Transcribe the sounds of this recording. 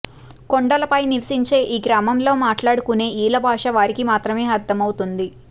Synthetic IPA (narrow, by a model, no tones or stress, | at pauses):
koɳɖɐlɐpɐjniʋɐsiɲt͡ʃe̞ːʔiːɡɾaːmɐmlo̞ːmaːʈlaːɽukune̞ːʔiːlɐbʱaːʂɐʋaːɾikimaːt̪ɾɐme̞ːɐd̪ːɐmɐwt̪und̪i